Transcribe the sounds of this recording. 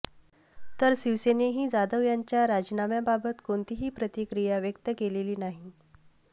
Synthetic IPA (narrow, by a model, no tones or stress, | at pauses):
t̪əɾsiʋseneɦiːd͡zad̪əʋjaɲt͡ɕjaɾad͡ʑinamjababət̪koɳt̪iɦiːpɾət̪ikɾijaʋjək̚t̪əkeleliːnaɦi